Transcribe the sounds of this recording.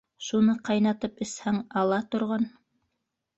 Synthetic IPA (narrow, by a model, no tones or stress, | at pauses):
ʃunɤqɑjnɑt̪ɤpɘ̆shæŋɑlˠɑt̪ŏɾʁɑn